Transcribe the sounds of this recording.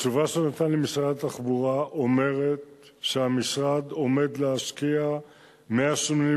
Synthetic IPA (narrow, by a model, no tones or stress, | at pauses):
t͡ʃuvaʃenot̪anlemisʁad̪at̪aχbuʁaʔo̞me̞ʁe̞t̪ | ʃeamisʁad̪o̞me̞d̪leaʃkia | meaʃomni